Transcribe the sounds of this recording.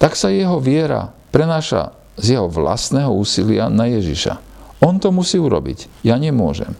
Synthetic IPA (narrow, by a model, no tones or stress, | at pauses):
t̪aksajɛɦɔʋɪɛɾa̰pɾɛnaːʃa̰ | zjɛɦɔʋla̰st̪nɛɦɔuːsilɪanajɛʒḭʃa̰ | ɔnt̪ɔmusiːuɾɔ̰bḭc | jaɲɛmʊɔʒɛ̰m